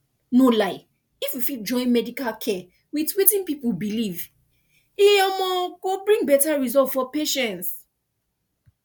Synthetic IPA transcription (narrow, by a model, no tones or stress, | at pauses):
nolaɪ | ifwifit̚d͡ʒɔ̃ɪ̃nmɛdikalkʰɛ | witwetĩnpipubiliv | iɔmɔ̃ɡobɹĩŋɡbɛtaɹizɔltfɔpeʃɛ̃nts